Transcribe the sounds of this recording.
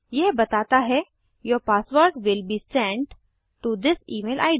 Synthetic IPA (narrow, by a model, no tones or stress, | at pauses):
jɛɦbɐt̪aːt̪aɦɛ | jɔpaːsʋəɾkʋɪlbiːsɛ̃ɳɖ | ʈud̪ɪsiːmeːlʔa̰ːɪɖ